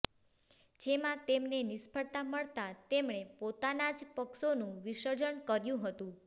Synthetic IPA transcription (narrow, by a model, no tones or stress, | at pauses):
d͡ʒemãt̪emnenɪspʰəɭt̪aməɭt̪at̪emɳ̃epot̪anad͡ʒpəkʃonũʋiʃəd͡ʒəɳkəɾjũɦət̪ũ